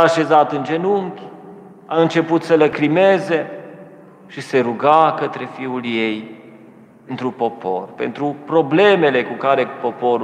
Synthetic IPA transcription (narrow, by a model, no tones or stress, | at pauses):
aːʃe̞zat̪ɨnd͡ʒe̞nuŋkʲ | aɨnt͡ʃe̞put̪sələkɾime̞ze̞ | ʃise̞ɾuɡakət̪ɾe̞fiulje̞j | ɨnt̪ɾupo̞pʰo̞̰rpe̞̰nt̪ɾupɾo̞ble̞me̞le̞kukaɾe̞po̞poɾu